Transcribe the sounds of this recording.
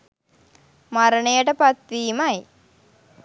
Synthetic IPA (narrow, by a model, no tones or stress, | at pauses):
maɾənəjəʈəpat̪ʋiːmaj